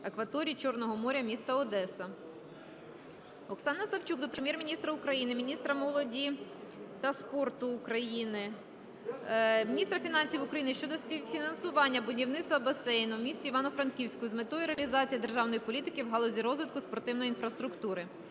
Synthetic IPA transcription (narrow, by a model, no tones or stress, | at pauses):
ɐkʋɐt̪ɔɾʲit͡ʃɔrnɔɦɔmɔɾʲɐmʲist̪ɐɔd̪ɛsɐ | ɔksɑnɐsɐwt͡ʃukd̪ɔpɾemjɛrmʲinʲist̪ɾɐukɾɐjinɪmʲinʲist̪ɾɐmɔlˠɔdʲit̪ɐspɔrt̪ʊːkɾɐjinɪ | mʲinʲist̪ɾɐfʲin̪ɑnʲsʲiwʊkɾɐjinɪʃt͡ʃɔd̪ɔsʲpʲiwfʲinɐnsʊʋɑnʲːɐbʊdʲiwnɪtst̪ʋɐbɐsɛjnɔwmʲisʲtʲiiʋɑnɔfɾɐnkʲiwsʲkɔjʊzmet̪ɔjʊɾeɐlʲizɑt͡sʲijɐd̪e̞rʒɑwnɔjipɔlʲit̪ɪkɪwɦɑlˠɔzʲiɾɔzʋɪt̪̚kʊspɔrt̪ɪwnɔjinfɾɐst̪ɾʊkt̪uɾɪ